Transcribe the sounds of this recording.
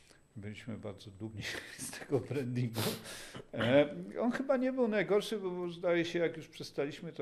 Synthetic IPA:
bɘlʲiɕmɘ̰ba̰ɾd̪zɔd̪ubɲist̪ʰɛɡɔbɾɛnd̪iŋɡu | ɔnxɘbaɲɛbɘwnajɡɔɾʂɘbɔzd̪ajɛɕɛjakjuʂpʂɛst̪alʲiɕmɘt̪ɔ

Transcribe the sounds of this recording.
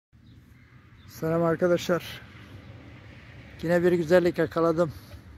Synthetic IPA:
salamaɾkʰad̪aʃlˠaɾ̥ | ɟ̥inɛbiɾɡyzælʲːicakʰalˠad̪ɯm

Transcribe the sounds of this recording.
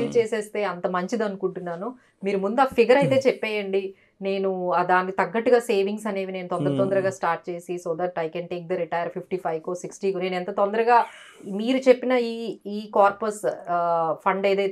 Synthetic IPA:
ɾut͡ʃeːseːst̪e̞ːɐnt̪ɐmɐɲt͡ʃid̪ɐnukuɳʈunːaːnu | miːɾumund̪uaːpʰiɡɐɾɐjt̪e̞ːt͡ʃɛpːɛːjɐɳɖi | ne̞ːnuad̪aːnikit̪ɐɡːɐʈːuɡaːse̞ːʋiŋɡs̬ɐne̞ːʋine̞ːnut̪ɔnd̪ɐɾɐt̪ɔnd̪ɐɾɐɡaːsʈaːɾʈ̚t͡ʃe̞ːsisoːd̪ɐʈɐjkɛnʈeːk̚d̪ɐɾiʈɐjɐɾpʰipʰʈiːpʰɐjʋkoːsiksʈiːkune̞ːnɛnt̪ɐt̪ɔnd̪ɐɾɐɡaː | miːɾut͡ʃepːinɐiːiːkaːɾpos | pʰɐɳɖɐjd̪eː

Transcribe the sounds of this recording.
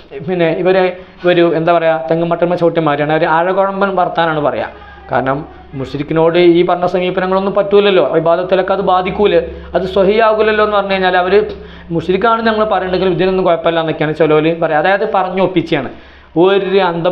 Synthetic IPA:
pinːe̞iʋɐɾe | iʋɐɾuend̪aːpɐrɐjat̪eŋɡɐmːɐʈːɐrmɐt͡ɕɐwʈːjɐmːaːɾijaːɳɨɐʋɐɾeɐɻɐɣoɻɐmbɐnʋɐrɐt̪ːaːnaːɳɨpɐrɐ̰ja̰ː | ka̰ːɾɐɳɐmː | usilikʲːino̞ːɽɨiːpɐrɐɲːɐsɐmiːbɐnɐŋːɐɭo̞nːumpɐtːuːɐlːɐlːo̞ːibaːd̪ʱɐt̪ːilokːeɐðɨbaːd̪ʱikʲːuɣɐlɨɐðɨswɐhijaːʋuɣilːelːoenːɨpɐrɐɲːukɐɻiɲːaːlɐʋɐɾɨ | musiɾikʲːaːɳɨɲɐŋːɐɭpɐrɐjuɳɖeŋɡilmid̪ʱinonːɨmkoɻɐpːɐɐlːaːnːokʲːjaːnɳit͡ɕɐlɐʋɐlipɐrɐjaɐðaːjɐðepɐrɐɲːuopːit͡ɕːɐjaːɳɨ | oɾoɾuɐnd̪ɐ

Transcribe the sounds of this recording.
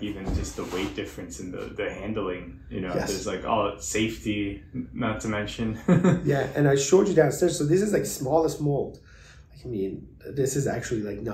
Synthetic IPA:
ivɨ̃nd͡ʒʌs̚ðəweɪt̚d̥ɪfɹɨ̃nsɨ̃nðɨ̰ðɨhæ̃ndˡl̩ˠɪ̃ŋ | jɨ̰nojɛ̰ðə˞zlaɪkɔ̰lˠəseɪftimãntɨmɛ̃nʃɨ̃njæɨ̃naɪʃoʊd͡ʒɨdãʊ̃nsɪ̃soʊðɪsɨzlaɪksmɔlˠəsmolˠd̥ | laɪkaɪmĩn | ðɪsɨzæ̰k̚t͡ʃul̩ˠilaɪk̚no

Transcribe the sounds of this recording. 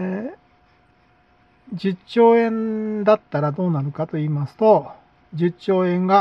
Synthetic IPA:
d͡ʑɨt͡ɕːo̞ːẽ̞nd̪at̪ːaɾad̪o̞ːnaɾɯ̟kat̪o̞iːmasɨ̥t̪o̞ | d͡ʑɨt͡ɕːo̞ːẽ̞ŋɡa

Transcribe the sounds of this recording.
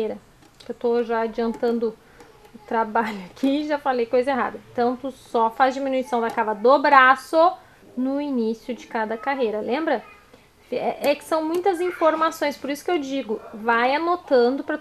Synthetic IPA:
eɾɐ | ewt̪oʒaad͡ʒiɐ̃nt̪ɐ̃nd̪ʊ | ʊt̪ɾabaʎʊakʰiʒafalejkojzɐeɦa̰d̪ɐ̃t̪ɐ̃w̃t̪usɔfazd͡ʒiminuisɐ̃w̃d̪ɐkavɐd̪obɾasʊ | nʊinisjʊd͡ʒɪkad̪ɐkaɦejɾɐlẽmbɾɐ | fɛʔɛkɪ̥sɐ̃w̃mũj̃t̪ɐzĩfoɾmasõj̃spoɾisʊ̥kewd͡ʒiɡʊvajanot̪ɐ̃nd̪ʊpɾɐ

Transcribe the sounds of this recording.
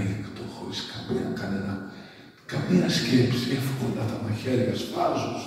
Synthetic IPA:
likt̪oxo̰ɾiskɐmiɐkɐnenɐ | kɐmiɐscepsiefkolɐt̪ɐmɐçeɾʝɐspɐzos

